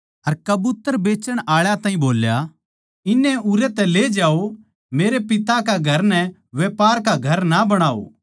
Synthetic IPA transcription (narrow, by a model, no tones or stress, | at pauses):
ɐɾkɐbʊt̪ːəɾbeːt͡ʃəɽ̃ʔaːɭjat̪ãːɦĩboːlja | ɪnːɛʊɾɛt̪ɛleːd͡ʒaːo | meːɾepɪt̪akaɡʱɐɾnɛʋeːpaːɾkaɡʱɐɾnabɐɽ̃aːo̰ː